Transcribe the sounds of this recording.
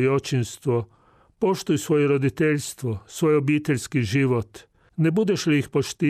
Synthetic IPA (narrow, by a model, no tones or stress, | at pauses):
jot͡ʃinst̪ʋo | poʃt̪ujsʋoːjeɾod̪it̪eʎʲst̪ʋosʋojobiːt̪eʎʲskiʒiːʋot̪ | nebud̪ɛʃliixpoʃt̪i